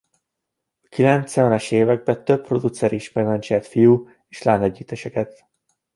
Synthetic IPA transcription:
ɒkilɛnt̪sɛɛnɛʃeːvɛɡ̚bɛt̪øpːro̞d̪ut̪sɛɾiʃmɛɾlɛnt͡ʃɛt̪fijuː | eːʃlaːnɛɟːiːt̪ɛʃɛkɛt̪

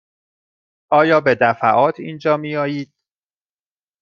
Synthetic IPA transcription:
ʔɒːjɒːbe̞d̪æfæ̰ʔɒːt̪ʰḭːnd͡ʒɒːmiːjɒːjiːd̪̥̚

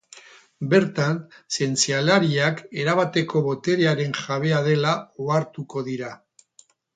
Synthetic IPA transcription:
be̞ɾt̪anse̞nt͡sialaɾiake̞ɾaβat̪e̞ko̞βo̞t̪e̞ɾeaɾe̞ŋʝaβe̞að̞e̞laoaɾt̪uko̞ðiɾa

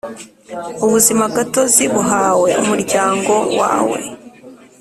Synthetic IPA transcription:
uβuzimaɡatoziβuɦaːwe̞umuɾɟaːŋɡo̞wa̰ːwe̞̰

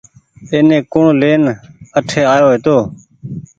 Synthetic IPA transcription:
eːnẽːkʊɳleːnəʈʰeːaːjoːɦeːt̪oː

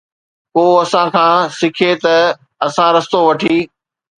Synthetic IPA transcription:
koːɐsãkʰãːsɪkʰet̪ɐ | ɐsãɾɐst̪oʋɐʈʰiː

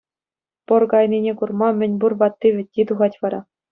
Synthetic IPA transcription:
pɤ̆rkɑjnʲinʲekurmɑmʲɘ̆nʲburʋɑt̪ːiʋʲɘ̆t̚ʲːit̪uʁɑtʲʋɑɾɑ

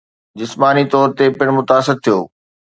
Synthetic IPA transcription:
d͡ʑɪsmaːnit̪ɔːɾt̪epɪɽ̃mʊt̪aːsɪɾt̪ʰijo̰ː

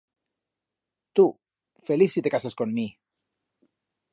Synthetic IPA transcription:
t̪u | fe̞liθsit̪e̞kasasko̞nmi

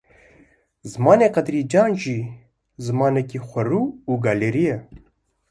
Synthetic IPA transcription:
zɨmɑːneːqɐd̪ɾiːd͡ʒɑːnʒiː | zɨmɑːnɛkiːxʷɐɾuːuɡɑːleːɾijɛ

